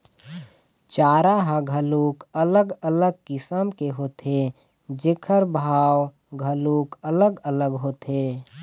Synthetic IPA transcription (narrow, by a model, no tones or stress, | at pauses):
t͡ʃaːɾaɦəɡʱəlukələɡələɡ̚kɪsəmkeɦot̪e | d͡ʒekʰəɾbʱaːw | ɡʱəlukələɡələɡɦot̪e